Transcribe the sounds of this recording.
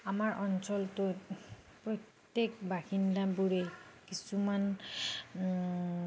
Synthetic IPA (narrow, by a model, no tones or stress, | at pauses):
amaɹʔɔnsɔltʊt | pɹɔtː | ekbaxindabuɹekisuman